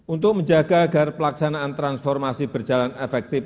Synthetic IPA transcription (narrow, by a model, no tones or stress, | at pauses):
ʔunt̪ʊk̚məɲd͡ʒaɡ̥aːɡ̥arpəlaksanaːnt̪ɾansfɔrmasib̥ərd͡ʒa̤lanefɛk̚t̪ɪf